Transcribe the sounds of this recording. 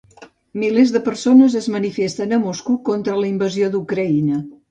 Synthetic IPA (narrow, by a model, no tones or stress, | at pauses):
milezðəpəɾsonəzəzmənifest̪ənəmoskukont̪ɾələimbəziod̪ukɾəinə